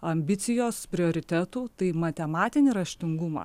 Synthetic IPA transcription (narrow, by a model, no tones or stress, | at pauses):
ɐmʲbʲɪt̪sʲɪjoːspʲɾʲɪoːɾʲɪt̪ʲæt̪uːt̪ɐɪmɐt̪ʲɛmɑːt̪ʲɪnʲɪɾɐʃʲt̪ʲɪŋɡumɐ̰ː